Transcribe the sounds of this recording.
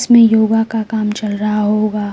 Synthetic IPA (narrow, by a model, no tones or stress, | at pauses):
smẽjoːɡakakaːmt͡ʃɐlɾɐɦaɦoːɡaː